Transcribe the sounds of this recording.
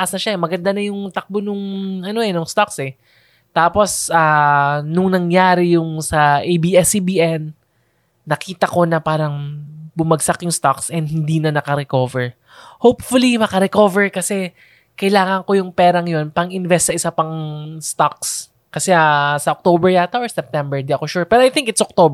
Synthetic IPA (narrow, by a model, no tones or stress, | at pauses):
ʔasnɐʃaɛmɐɡɐnd̪anɐjʊŋt̪ɐk̚bonʊŋʔɐno̞ʔɛnʊŋst̪aksɛ | t̪aːpo̞sʔanʊŋnɐŋjaːɾɪjʊŋsɐʔejbiʔɛsibiʔɛnː | ɐkiːt̪ɐko̞nɐpaːɾɐŋbʊmɐɡsakjʊŋst̪aksʔɛnd̪hɪnd̪iːnɐnɐkɐɾɛko̞ːvɛɹ | howpfʊlimɐkɐɾɛko̞vɛɹkɐsɛ | kɐjlaːŋɐŋko̞jʊŋpɛːɾɐŋajo̞npɐŋɪnvɛst̪sɐʔɪsapɐŋst̪ak̚s | kɐsɛasɐʔok̚t̪obɛɹjaːt̪ɐʔssɛp̚t̪ɛmbɛɹnd̪iʔɐkoʃuɹpɛɾoɐjθɪ̃ŋkɪt̪sʔok̚t̪ob